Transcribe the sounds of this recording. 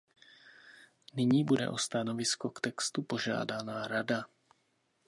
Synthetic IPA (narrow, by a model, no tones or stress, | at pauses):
nɪɲiːbudɛ̰ʔo̞st̪ano̞vɪsko̞kt̪ɛkst̪upo̞ʒa̰ːdanaɾada